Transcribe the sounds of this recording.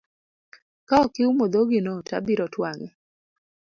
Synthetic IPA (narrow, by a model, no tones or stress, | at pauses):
kaɔkɪumod̪oɡɪnɔta̰biɾɔtwaŋɪ